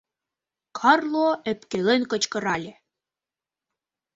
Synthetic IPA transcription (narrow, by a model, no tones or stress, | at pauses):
kʰɑrlˠoĕpkelenkɤ̆t͡ɕkɤ̆ɾɑlʲe